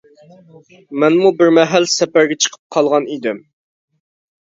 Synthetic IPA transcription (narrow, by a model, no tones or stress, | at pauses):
mɛnmubɪɾmɛɦælsɛpæɾɡʲɛt͡ʃʰə̥qʰə̥p̚qʰɑlˠʁɑnid̪ɪm